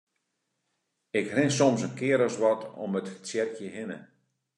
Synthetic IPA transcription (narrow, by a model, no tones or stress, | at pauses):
ɪkhrɪnsɔmsənkɪəɾəsʋɔtʰo̰mətsjɛrkjəhɪnə̰